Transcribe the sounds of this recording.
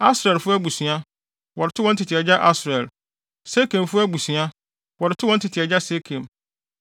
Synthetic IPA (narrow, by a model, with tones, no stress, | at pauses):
a˦sɾɛ˨lfʊ˦æ˦bu˨sɥa˦ | wɔ˨ɾɪ˨tʰʊ˦wɔ̃˦n̩˦tʰɪ˨tʰɪ˨ɛ˨d͡ʑa˦ʔa˦sɾɛ˨l | se˦kʰẽ˨mfʊ˦æ˦bu˨sĩ˨a˦ | wɔ˨ɾɪ˨tʰʊ˦wɔ̃˦n̩˦tʰɪ˨tʰɪ˨ɛ˨d͡ʑa˦se˦kʰẽ˨m